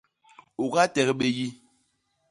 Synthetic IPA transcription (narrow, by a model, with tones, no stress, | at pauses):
o˨ka˦tɛ˨ɣɓe˦ji˦